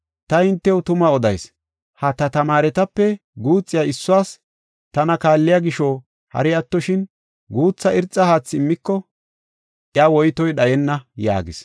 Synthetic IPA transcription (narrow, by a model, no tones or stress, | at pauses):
t̪ɐɪnt̪ːɛwt̪ʊmɐɔd̪ɐjs | hɐt̪ɐt̪ɐmaːɾɛt̪ɐpːɛ | ɡuːt͡sʼːɪjaɪsːʊwaːs | t̪ɐnɐkaːlːɪjaɡɪʃoː | hɐ̰ɾɪɐt̪ːɔʃɪn | ɡuːt͡sːɐɪɾt͡sʼːɐhaːt͡sːɪmːɪkːɔ | ʔɪaːwɔjt̪ɔjɗɐjɛnːɐja̰ːɡɪ̰s